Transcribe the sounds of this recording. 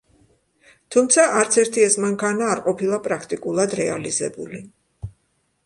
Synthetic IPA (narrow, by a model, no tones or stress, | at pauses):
t̪ʰumt̪sʰaʔaɾt̪sʰɛɾt̪ʰiɛsmaŋkʰanaːɾqʼɔpʰilˠapʼɾakʰt̪ʼikʼulˠad̪ɾɛalizɛ̰buli